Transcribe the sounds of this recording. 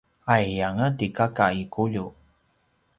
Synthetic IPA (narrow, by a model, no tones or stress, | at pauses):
ajjaŋətikakaikuʎu